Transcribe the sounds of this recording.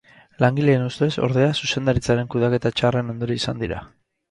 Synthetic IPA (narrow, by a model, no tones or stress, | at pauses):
laŋɡile̞ːnust̪e̞so̞̰ɾðe̞asuse̞nd̪aɾit͡saɾe̞ŋkuðake̞t̪at͡ʃare̞no̞nd̪oɾiisand̪iɾa̰